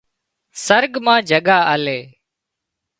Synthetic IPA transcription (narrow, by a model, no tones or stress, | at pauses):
səɾɡmãːd͡ʒʱəɠaːəːleː